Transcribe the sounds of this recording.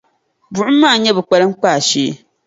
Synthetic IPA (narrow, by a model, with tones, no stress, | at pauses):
bʊ˨ʔʊ˦m̩ː˦aː˦˨ɲɛ˦bɨ˨k͡pa˨lɨ˦ŋ͡m̩˦k͡paː˦˨ʃeː˦